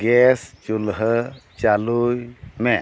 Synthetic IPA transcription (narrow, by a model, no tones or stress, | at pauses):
ɡɛst͡ʃulɦət͡ʃalujme